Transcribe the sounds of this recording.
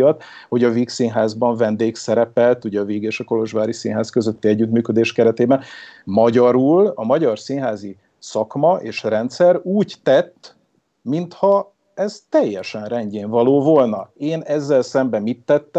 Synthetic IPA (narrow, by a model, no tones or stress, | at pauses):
ɒt̪ | ho̞ɟɒviksiːnɦaːzbɒɱvɛnd̪eːksɛɾɛpɛlt̪uɟɛɒviɡeːʃɒko̞lo̞ʒʋaːɾisiːnɦaːskø̞zø̞t̪ːiɛɟːyt̪myːkød̪eːʃkɛɾɛt̪eːbɛnmɒɟɒɾuːlɒmɒɟɒrsiːnɦaːzi | sɒkmɒʔeːʃrɛnt̪sɛruːɟt̪ːɛt̪ː | mint̪hɒ | ɛzt̪ɛjːɛʃɛnrɛɲɟeːɱvɒloːvo̞lnɒeːnɛzːɛlsɛmbɛmit̪ːɛt̪ː